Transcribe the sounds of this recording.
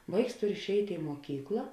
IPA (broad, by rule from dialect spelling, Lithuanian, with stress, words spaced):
ˈʋɐɪks ˈtʊrʲɪ ɪʃʲˈɛɪtʲ ɪ muɔˈkʲiːklˠɐ